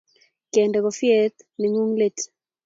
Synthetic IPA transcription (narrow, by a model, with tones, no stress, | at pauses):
ke˨ndɛ˨kɔ˨fje˦t̪ | nɪ˨ŋu˦ŋle˦t